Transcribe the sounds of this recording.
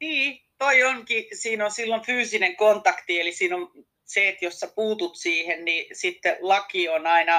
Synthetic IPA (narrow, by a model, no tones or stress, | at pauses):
niːt̪oioŋkisiːnonsilːonfyːsineŋkont̪ɑkt̪ielisiːnon | seːt̪josːɑpuːt̪ut̪siːhennisit̪ːelɑkionɑinɑ